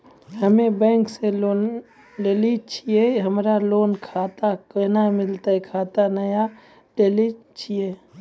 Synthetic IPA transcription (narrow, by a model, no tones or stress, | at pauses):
ɦəmebɛ̃ːŋkseloːn | ɖelit͡ʃʰijeɦəmɾaloːnkʰaːt̪akənamɪlt̪aɦɛkʰaːt̪anəja | ɖelit͡ʃʰije